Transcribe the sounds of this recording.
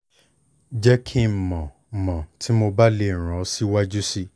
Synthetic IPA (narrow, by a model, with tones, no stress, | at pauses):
d͡ʒɛ˦kʰi˦˨mɔ̃˨ | mɔ̃˨ti˨˦mo˧ba˦le˧˦˨ɾ̃ɔ̃˨˦si˦wa˦d͡ʒu˦si˦